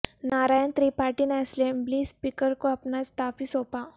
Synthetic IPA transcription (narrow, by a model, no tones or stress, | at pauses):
naːɾaːjənt̪ɾiːpaːʈinaːslembliːspiːkəɾkoɐpnaɪst̪ʰaːfisoːpaː